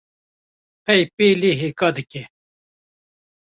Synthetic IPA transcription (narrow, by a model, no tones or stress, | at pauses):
qɛjpeːleːɦeːkɑːd̪ɨkʲɛ